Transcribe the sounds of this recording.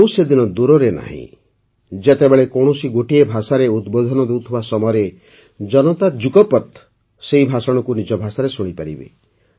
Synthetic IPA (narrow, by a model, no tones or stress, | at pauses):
owsed̪inɔd̪uɾɔɾena̰ɦḭ̃ | d͡ʒet̪ebeɭekoɽ̃osiɡoʈiebʱasaɾeud̪bod̪ʱɔnɔd̪ewt̪ʰibasɔmɔjɔɾe | d͡ʒɔnɔt̪ad͡ʒukɔpɔt̪ | seɦibʱasɔɽ̃ɔkunid͡ʒɔbʱasaɾesuɽ̃ipaɾḭbḛ